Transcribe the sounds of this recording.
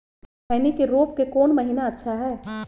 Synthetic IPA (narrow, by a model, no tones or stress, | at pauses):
ɛːnikeɾoːpkekɔːnmɐɦinaɐtːʃʰaɦɛː